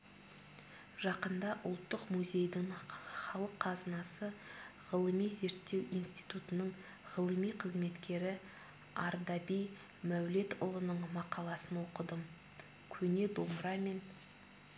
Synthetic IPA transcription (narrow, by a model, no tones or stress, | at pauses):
ʒ̥ɑqənd̪ɑʔʊ̰lˠt̪ːəqmuzʲe̞jd̪ɪɴχɑlˠəqʰːɑzənɑsəʁəlˠəmijze̞ɾt̪ːe̞wijnst̪ijt̪ut̪ənəɴ | ʁəlˠəmijqʰəzme̞t̪kʲe̞ɾɪ | ɑɾd̪ɑbij | mæwle̞t̪ʊ̰lˠənəɴmɑqɑlˠɑsənwo̞qəd̪əm | kʲʰɵne̞d̪omɾɑme̞n